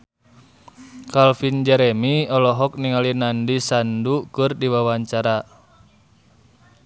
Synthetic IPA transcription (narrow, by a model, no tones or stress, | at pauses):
kalfind͡ʒɛɾɛmiɔlɔɦɔk̚niŋalinandisandukɨrdiwawaɲt͡ʃaɾa